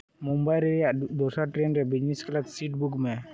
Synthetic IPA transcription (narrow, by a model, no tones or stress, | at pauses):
mumbajɾeɾjad̪ɔsaʈɾenɾɛbid͡ʑnisklat̪siʈbukme